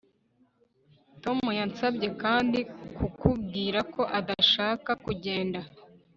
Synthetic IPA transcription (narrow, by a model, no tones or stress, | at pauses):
to̞mujansabɟe̞kaːndikukub̚ɡiːɾako̞ʔadaʃaːkakuɟe̞ːnda